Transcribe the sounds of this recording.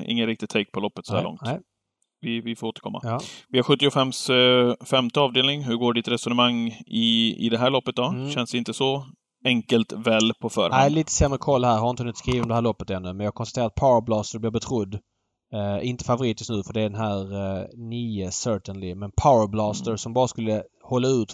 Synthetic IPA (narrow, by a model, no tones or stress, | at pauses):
ɪ̰ŋːənɾɪk̚t̪ɪt̪ʰɛɪk̚ːpʰɔlɔpːət̪sɔhæ̰ɭɔ̰ŋt̪ː | vɪvɪfoːɾoːt̪əɾkʰɔmːa̰vɪhaɾɧɵt̪ːɪɔfɛmsfɛmt̪əɑːvd̪eːlnɪŋɦɵɾɡoːɖɪt̪ɾɛsɔnəmaŋːɪɪ̰d̪ɛɦæːɭɔpːət̪̚d̪ɔɕɛnsd̪ɛɪnt̪əsɔ | ɛŋkəlt̪vɛːlpʰɔfœ̰ːɾh̪aæɪliːt̪ə̥sɛmːɾəkʰɔlːhæːɾhaɾɪnəhɵnːɪt̪skɾiːvəɔmd̪ɛɦæːɾlɔpːət̪ɛnːɵmɛnjɑhaɡkʰɔnst̪at̪eːɾat̪̚pʰaʊəɾblɑːst̪əɾblɪːɾbɛt̪ʰɾʊd̪ː | ɪnt̪ə̥favʊɾiːt̪jɵst̪nʉːfœɖɛæɖɛnɦæːɾniːəsœːʈənlɪmɛnpʰaʊəblɑːst̪əɾsɔmbɑːɾaskɵlːə | hɔlːaʉ̟ːt̪